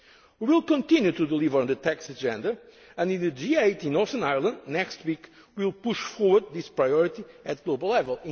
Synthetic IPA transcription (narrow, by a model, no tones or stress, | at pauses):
wiwilˠkɔ̃nt̪ĩnjut̪ud̪əlˠivəɾə̃nðɨt̪ɛksɨd͡ʒɛ̃nd̪ɐ | ɨ̃nd̪ĩnɨd͡ʒiejt̪ĩnɔsə̃najlˠə̃nd̪nɛkst̪wik | wilˠpuʃfɔɹwəd̪̚ðispɹajɔɹit̪i | ɨt̪̚ɡ̥lobɐlˠlɛvəlˠĩ